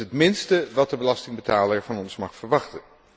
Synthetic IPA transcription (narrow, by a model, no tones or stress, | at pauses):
ɦətmɪnstəʋɑt̚dəbəlɑstɪŋbətaːləɹvɑnɔnsmɑχfəɹʋɑχtən